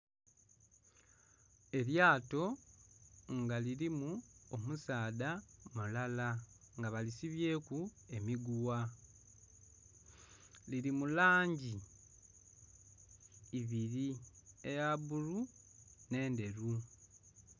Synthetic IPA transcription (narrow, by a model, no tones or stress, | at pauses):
e̞ljaːto̞ | ŋɡaliɾimuomusaːdamulala | ŋɡaβalisiβje̞ːkue̞miɡuwa | liɾimulaːɲɟi | βiɾie̞jaβuɾune̞ːnde̞ɾu